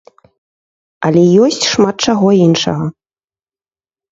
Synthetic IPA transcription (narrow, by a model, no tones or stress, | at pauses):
ɐlʲɛjɔsʲt͡sʲʂmat̪̚t͡ʂaɣɔinʂɐ̰ɣɐ